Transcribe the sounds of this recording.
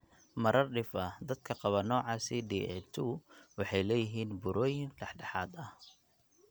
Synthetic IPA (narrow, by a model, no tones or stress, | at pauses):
mɐɾɐrɖɪfɐd̪ɐd̪̚kʰɐqɑβɐnɔːʕɑːsɪɖiɪ̰t̪ʰuwɑħɑjlɛːjɪɦiːnbʊɾɔːjɪŋɖɛħɖɑħɑːd̪ɐh